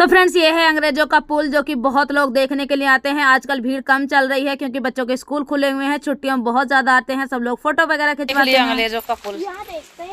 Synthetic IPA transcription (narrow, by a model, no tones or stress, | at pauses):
t̪opʰɾɛ̃ːɳs̬jeɦɛɐ̃ŋɡɾeːd͡ʒõkapuːld͡ʒoːkibɔɦɔt̪loːɡd̪eːkʰnekelieaːt̪eɦɛ̃aːd͡ʒkəlbʱiːɽkɐmt͡ʃɐlɾɐɦiɦɛkjõːk̬ibɐtːʃõkeskuːlkʰʊleɦʊẽɦɛ̃t͡ʃʰʊʈːijõbɔɦɔt̪zjaːd̪aaːt̪eɦɛ̃sɐbloːɡfoːʈoʋɐɡɛːɾakʰɪt͡ʃʋaliɐ̃ŋɡɾeːd͡ʒokapul